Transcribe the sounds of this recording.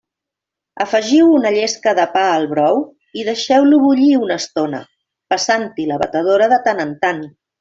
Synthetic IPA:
əfəʒiwunəʎeskəðəpaəlˠβɾɔw | iðəʃɛwluβuʎiunəst̪onə̰ | pəsant̪iləβət̪əð̞oɾəðət̪ənənt̪an

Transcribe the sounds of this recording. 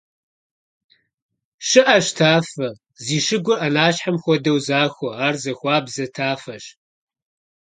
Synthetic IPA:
ʃɨʔɐɕtʰaːfɐ | ziːʃɨɡʷʊrʔɐnaːɕħamxʷɔdɐwzaːxʷɔaːrzɐxʷɑːbzɐtʰaːfɐɕ

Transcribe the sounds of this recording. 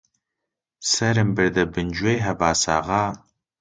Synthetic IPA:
sɐɾɨmbɨɾd̪ɐbɨnd͡ʒwejɦɐbaːsa̰ːʁɑː

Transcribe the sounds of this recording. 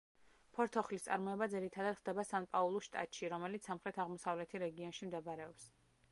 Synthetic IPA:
pʰɔɾt̪ʰɔχlist̪sʼa̰ɾmɔɛbad̪ziɾit̪ʰad̪ad̪̥χd̪̥ɛbasanpʼaulˠɔʃt̪ʼa̰t̪ʼʃiɾɔmɛlit̪ssamχɾɛt̪ʰaʁmɔsavlɛt̪ʰiɾɛɡiɔnʃimd̪ɛbɾɛɔps

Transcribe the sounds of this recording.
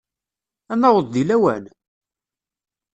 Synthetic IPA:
ænːæwəðˤd̪ilæwæ̰n

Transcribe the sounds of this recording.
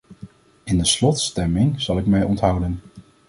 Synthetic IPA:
ɪndəslɔtstɛmɪŋz̥ɑlˠɪkmɛjɔntɦʌwdən

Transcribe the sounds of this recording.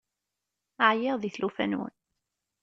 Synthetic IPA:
əʕjɪʁðiθlufæ̰nwə̰n

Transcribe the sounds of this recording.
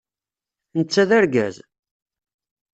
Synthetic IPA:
nət͡sːæðæɾɡæ̰z

